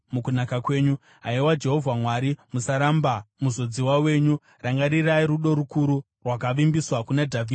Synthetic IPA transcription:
mukunakakwe̞ːɲu | ɦaiwad͡ʒe̞ɦo̞vʱamwaɾimusaɾambamuzo̞d͡ziwawe̞ːɲu | raŋɡaɾiraiɾuɗo̞ɾukuɾu | rwakaʋimbiswakunadʱaviːd

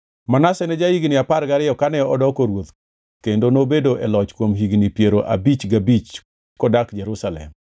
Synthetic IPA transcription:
manasɛnɛd͡ʒaiɡnɪaparɡaɾɪjɔkanɛɔdɔkoɾwot̪ | kendonobedoʔɛlɔt͡ʃkwomɦiɡnipjeɾoʔa̰bit͡ʃɡabit͡ʃ | kɔdakd͡ʒɛɾusalɛ̰m

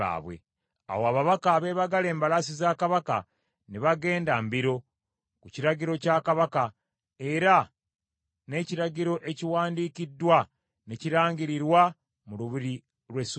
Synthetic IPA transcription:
a̰βwḛ | a̰woaβaβakaːβe̞ːβaɡale̞ːmbalasizakaβaka̰ | niβaɡe̞ːndambiɾo̞ | kuciɾaɟiɾo̞caːkaβaka | e̞ɾa | ne̞ciɾaɟiɾo̞ʔe̞ciwaːndikidːwa | neciɾaːɲɟiɾiɾwa | muluβiɾi | ɾwes

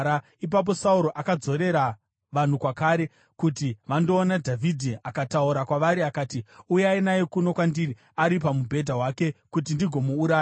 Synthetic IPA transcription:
a | ip̬ap̬o̞sauɾo̞ʔakad͡zo̞ɾe̞ɾa | ʋan̤ukwakaːɾe | kutiʋando̞ːnadʱavʱidʱiakatauɾakwaʋaɾiakaːtiujainajekuno̞kwandiri | aɾip̬amubʱe̞dʱaɦwake̞kut̬indiɡʱo̞muːɾaːj

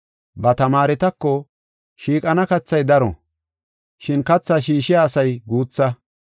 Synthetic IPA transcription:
bɐt̪ɐmaːɾɛt̪ɐkːɔ | ʃiːkʼɐnɐkɐt͡sːɐjd̪ɐɾɔ̰ | ʃɪnkɐt͡sːɐʃiːʃɪjaːsɐjɡuːt͡sːɐ

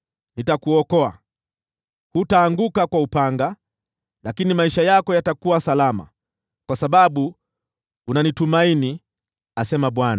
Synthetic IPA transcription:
nitakuɔkɔa̰ | hutaːŋɡukakwaupaŋɡa | lakinimaiʃajakɔjatakuwasalama̰ | kwasaɓaɓu | unanitumaini | asɛmaɓwana

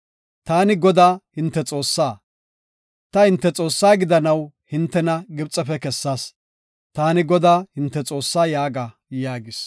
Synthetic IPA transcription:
t̪aːnɪɡɔd̪aːhɪnt̪ːɛt͡sʼo̞ːsːaː | t̪ɐhɪnt̪ːɛt͡sʼo̞ːsːaːɡɪd̪ɐnɐw | hɪnt̪ːɛnɐɡɪbt͡sʼːɛpɛkɛsːaːs | t̪aːnɪɡɔd̪aːhɪnt̪ːɛt͡sʼo̞ːsːaːjaːɡa | jaːɡɪs

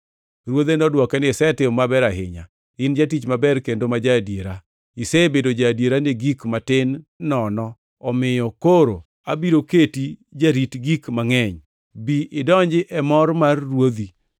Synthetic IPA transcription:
ɾwod̪enɔdwɔkɛnɪsɛtɪmabɛɾaɦɪ̰ɲa̰ | ɪnd͡ʒatit͡ʃmabɛɾkendomad͡ʒadjeɾa | ɪsebedod͡ʒadjeɾaneɡikmatɪnːɔnɔ | ɔmɪjɔkoɾo̰ | abiɾoketid͡ʒaɾitɡikmaŋɛɲ | biʔɪdɔɲd͡ʒɪʔɛmɔrmarːwod̪i

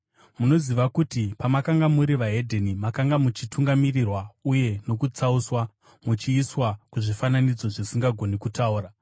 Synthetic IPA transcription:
muno̞ziʋakutipamakaŋɡamuɾiʋaɦe̞dʱenimakaŋɡamut͡ʃituŋɡamirirwauje̞no̞kut͡sauswa | mut͡ʃiːswakuʐifananid͡zoʐisiŋɡaɡʱo̞nikutauːɾa

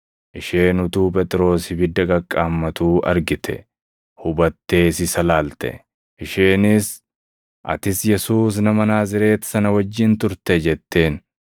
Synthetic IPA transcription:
ʔɪʃeːnʊt̪uːpʼɛt̪ʼɪɾo̞ːsɪbɪd̪ːɐɡɐkʼːaːmːɐt̪uːʔɐ̰ɾɡɪt̪ʰɛ̰ | hʊbɐt̪ːe̞ːsɪsɐlaːlt̪ɛ̰ | ʔɪʃeːnɪs | ʔɐ̰t̪ɪsjɛsuːs̬nɐmɐnaːzɪɾe̞ːt̪sɐnɐwɐd͡ʒːɪnt̪ʊɾt̪ɛd͡ʒɛt̪ːe̞ːn

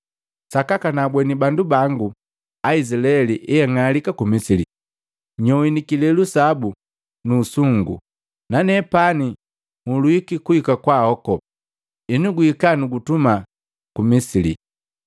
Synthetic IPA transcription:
sakakanabwɛnibandubaŋɡu | aisilaɛliʔɛjaŋalikakumisili | ɲɔwinikilɛlusabu | nuːsuŋɡṵ | nanɛpani | ŋulwikikuikakwahɔkɔ | inuɡuikanuɡutuma | kumisilḭ

